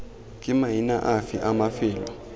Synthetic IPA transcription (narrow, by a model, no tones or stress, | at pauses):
k̬ʼimajina̰ʔafḭʔamafiːlɔ